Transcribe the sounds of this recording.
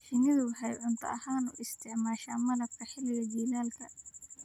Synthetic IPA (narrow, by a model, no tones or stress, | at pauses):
ħɪnɪðʊħɛjʕʊnt̪ʰɐ̰ʔɐhaːnʊ̰ʔɪst̪ʰɪʕmaːʃaːmɐnɐfkʰɐħɪlɪɣɐd͡ʒiːlaːlkʰɐ